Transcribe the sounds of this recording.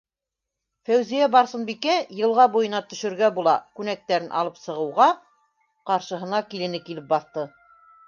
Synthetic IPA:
fæwzijæbɑɾsɤnbikæjɤ̆lˠʁɑbujɤ̆nɑt̪ɵ̆ʃɵ̆ɾɡæbulˠɑkʉnæk̚t̪æɾɘnʔɑ̰lˠɤpsɤ̆ʁɤ̆wʁɑ | qɑɾʃɤ̆ɦɤ̆nɑkilɘ̆nɘkilɘp̚bɑθt̪ɤ

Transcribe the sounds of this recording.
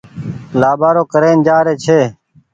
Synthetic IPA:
laːbaːɾoːkəɾeːnd͡ʒaːɾeːt͡ʃʰeː

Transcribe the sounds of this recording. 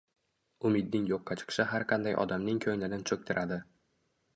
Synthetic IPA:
ʊmɪd̪̚nɪŋjoqːɑt͡ʃʰɨ̥qʃɪɦaɾqʰɑnd̪ajʔɒ̰d̪amnɪŋkʲʰɵjlɪnɪnt͡ʃʰɵk̚ʲt̪ʰɪɾʔad̪ɪ

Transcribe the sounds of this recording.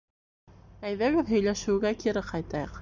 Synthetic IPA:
æjðæɣoðɦɵ̆jlæʃɘ̆wɡækiɾɘqʰɑjt̪ɑjɤq

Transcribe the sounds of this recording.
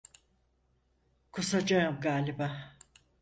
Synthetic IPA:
kʰusad͡ʒaɯmɡaːlʲiba

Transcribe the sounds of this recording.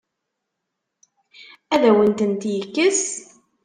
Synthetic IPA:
æðæwənt̪ənt̪jəkːəs

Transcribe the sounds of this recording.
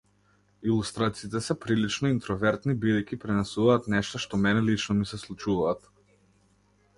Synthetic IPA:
ilˠust̪ɾat̪siit̪ɛsɛpɾilit͡ʃnɔint̪ɾɔvɛɾt̪nibid̪ɛjkʲipɾɛnɛsuvaːt̪nɛʃt̪ɔʃt̪ɔmɛnɛlit͡ʃnɔmisɛslˠut͡ʃuvaːt̪

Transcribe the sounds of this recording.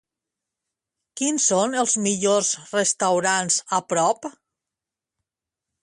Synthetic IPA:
kinsonəlˠzmiʎozrəst̪awɾanzəpɾɔp

